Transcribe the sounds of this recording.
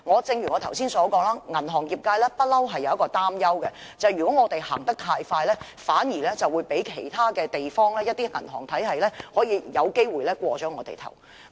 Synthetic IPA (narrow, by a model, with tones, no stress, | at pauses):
ŋɔː˨˧t͡sɪ˧ŋjyː˨˩ŋɔː˨˧t̪ʰɐ˨˩wsiː˥nsɔː˨˥kɔː˧ŋlaː˥ŋɐ˨˩nɦɔː˨˩ŋjiː˨p̚kaː˧jlɛː˥pɐ˥t̚lɐ˥wɦɐ˨jːɐ˧wɐ˥kɔː˧t̪aː˥mjɐ˥wkɛ˧ | t͡sɐ˨jɥyː˨˩kɔː˨˥ŋɔː˨˧t̪e˨jha̰ː˨˩ŋt̪ɐ˥k̚t̪ʰaː˧jfaː˧jlɛː˥ | faː˨˥njiː˨˩lɛː˥t͡sɐ˨wːuː˨˧jpe˨˥jkʰe˨˩jt̪ʰaː˥kɛː˧t̪e˨jfɔː˥ŋlɛː˥jɐ˥t̪̚iː˥ŋɐ˨˩nɦɔː˨˩ŋt̪ʰɐ˨˥jɦɐ˨jlɛː˥hɔː˨˥jiː˧jɐ˨˧wke˥jwuː˨˩jlɛː˥kʷɔː˧t͡ʃɔː˨˥ŋɔː˨˧t̪ḛ˨jt̪ʰɐ̰˨˩w